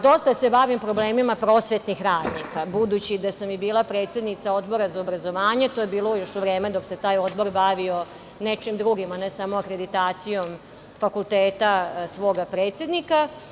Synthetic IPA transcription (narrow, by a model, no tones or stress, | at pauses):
d̪o̞st̪ase̞baʋimpɾo̞bleːmimapɾo̞ːsʋet̪nixɾaːd̪nikabud̪ut͡ɕid̪asamibiːlˠapɾe̞ːt̪sjed̪nit̪sao̞d̪bo̞ɾazaobɾazo̞ʋaːɲe̞t̪o̞jebiːlˠojo̞ʃuʋɾeːmed̪o̞kse̞t̪aːjo̞d̪bo̞ɾbaʋio̞ | net͡ʃimd̪ɾuɡimanesamoakɾe̞d̪it̪aːt̪sijo̞m | fakulˠt̪eːt̪asʋo̞ːɡapɾeːt̪sje̞d̪nika